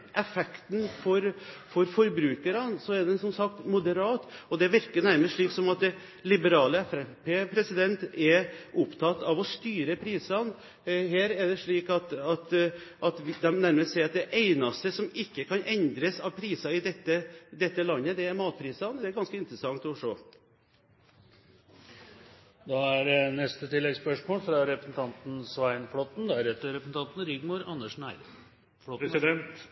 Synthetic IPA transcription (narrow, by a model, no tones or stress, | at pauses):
ʔɛfɛkt̪nfɔɾfɔɾfɔɾbɾʉːkəɾɑnsɔæd̪ɛsɔmsɑkt̪mʊd̪əɾɑːt̪ɔd̪ɛʋɪɾkənæɾməʂɭiːksɔmɑt̪̚d̪ɛ | lɪbəɾɑːləɛfɛfpʰeːpʰɾɛsɪd̪ɛnt̪ɛɾʊpt̪ʰɑt̪ːɑʋɔst̪yːɾəpʰɾiːsɑn | heːɾɛɖ̪ɛʂɭiːkɑt̪ɑt̪ʔɑt̪ʋd̪ɛmnæɾməsɛɪɑt̪̚d̪ɛʔeɪnɑst̪əsɔmɪkːəkʰɑnʔɛnd̪ɾəsɑʋpʰɾiːsɑɪd̪ɛt̪ːəd̪ɛt̪ːəlɑnːəd̪ɛæɾmɑːt̪̚pʰɾiːsɑnd̪ɛæɾɡɑnskəɪnt̪ɾəsɑŋt̪ɔʂoː | d̪ɑæɾnɛst̪ət̪ʰɪlːɛɡspœʂmoːlfɾɑɾɛpɾəsn̩t̪ʰɑnt̪n̩sʋæɪnfɽɔt̪n̩d̪ɛæɾɛt̪ːəɾɛpəsn̩t̪ɑnt̪n̩ɾʏɡmʊɾɑnːəʂnæɪɾ | ɔsd̪ɛnt̪